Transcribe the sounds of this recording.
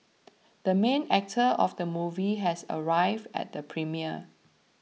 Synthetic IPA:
d̥əmẽnɛk̚tʰəʔɔfdəmuviɦɛsə̰ɹaɪvdɛ̰t̚dəpʰɹimiə

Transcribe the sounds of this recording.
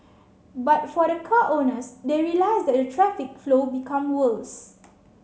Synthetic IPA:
bat̚fɔɾəkʰaʔonəsdeɹilajsdɛt̚dətʰɹɛfik̚flobikʰãmwəls

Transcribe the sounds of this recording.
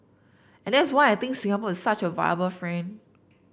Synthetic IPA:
ɛ̃ndɛtswaɪajt̪ɪ̃ŋksĩŋapəɪssat͡ʃəva̰ɪəbəlfɹɛ̃n

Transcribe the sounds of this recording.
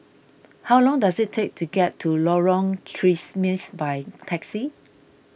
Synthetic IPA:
hawlɔ̃ŋdasɪttʰːek̚tʰuɡɛtʰːulɔɹɔ̃ŋkʰɹismisbajtʰɛksi

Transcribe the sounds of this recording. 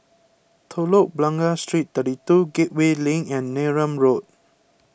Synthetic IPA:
t̪ʰoloʔ̚blãŋɡastɹit̚t̪ədituɡeʔ̚welĩŋɛ̃nːeɹə̃mɹod̚

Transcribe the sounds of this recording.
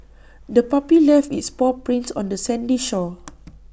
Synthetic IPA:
dəpapilɛfitspɔpɹĩnsɔ̰̃ndəsɛ̃ndiʃɔ

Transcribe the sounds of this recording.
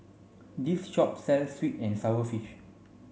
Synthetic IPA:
disʃɔp̚sɛlsːwitɛ̃nsaəfiʃ

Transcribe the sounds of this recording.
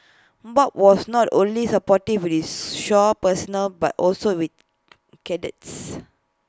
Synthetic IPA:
bɔp̚wɔsnɔtõnlisəpɔtid̚wit̚iʃɔpəsɔnəlbatʔɔlsowit̚ | kɛdə̰ts

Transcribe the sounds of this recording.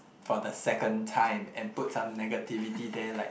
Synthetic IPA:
fɔdəsɛkə̃ntʰãɪ̃mɛ̃nput̚sãmnɛɡətivitidɛlaɪ

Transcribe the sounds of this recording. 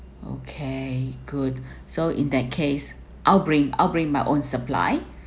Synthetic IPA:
o̰kʰeɡ̥ud | soʔḭ̃ndɛt̚kʰes | ʔaɪlbɹĩŋa̰ɪlbɹĩŋmajʔõnsəpla̰ɪ

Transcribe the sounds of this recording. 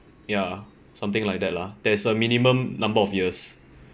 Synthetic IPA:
ja | sãmt̪ɪ̃ŋlaɪjk̚dɛt̚lad̥ɛsəmĩnimə̃mnãmbəɔfjis

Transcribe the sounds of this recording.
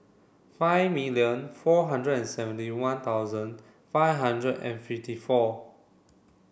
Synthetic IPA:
faɪvmiljə̃nfɔɦãndɹədɛ̃nsɛvə̃ntiwãnt̪aʊwzə̃n | fajvɦãndɹədɛ̰̃nfiftifɔ

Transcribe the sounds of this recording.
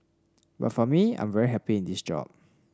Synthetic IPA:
ba̰tfɔmiã̰j̃ɱvɛɹiɦɛpiɪ̃ndisd͡ʒɔ̰p̚

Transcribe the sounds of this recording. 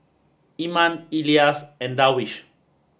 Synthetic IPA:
imãniliasɛ̃nd̪awiʃ

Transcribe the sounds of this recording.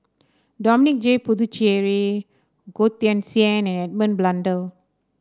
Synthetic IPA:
dɔminik̚d͡ʒepud̪ut͡ʃiɛɹi | ɡot̪iɛ̃nsiɛ̃nɛ̃nɛd̚mə̃nblãndəl

